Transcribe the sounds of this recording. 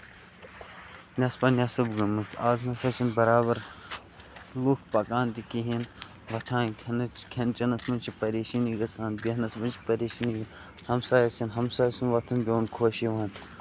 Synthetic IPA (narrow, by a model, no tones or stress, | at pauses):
nʲɐspɐːnʲɐsɐbɡɐmɨt͡sʰaːznɐsɐt͡ʃinbɐɾaːbɐɾ | lukʰpɐkaːnt̪ikiɦin | ʋɐt̪ʰãːnkʲʰnkʰʲɐnt͡ʃɐnɐsmɐnt͡ʃʰipɐɾeːʃiniɡɐsãːnbinɐsmɐnt͡ʃʰi̥pɐɾeːʃiniɡɐ | hɐmsaːjɐsinɦɐmsaːɐsinʋɐt̪ʰɨnbʲoːnkʰoːʃiʋaːn